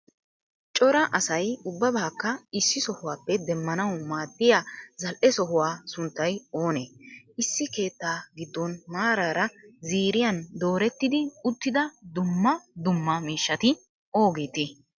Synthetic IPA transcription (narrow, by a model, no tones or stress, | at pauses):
t͡ʃʼɔɾɐʔɐsɐjʊbːɐbaːkːɐɪsːɪsɔhʊwaːpːɛd̪ɛmːɐnɐwmaːd̪ːɪjaːzɐlʔɛsɔhʊwaːsʊnt̪ːɐjo̞ːneː | ɪsːɪke̞ːt̪ːaːɡɪd̪ːɔnmaːɾaːɾɐziːɾɪjɐnd̪o̞ːɾɛt̪ːɪd̪ɪʊt̪ːɪd̪ɐd̪ʊmːɐd̪ʊmːɐmiːʃːɐt̪ɪ | o̞ːɡeːt̪ɪ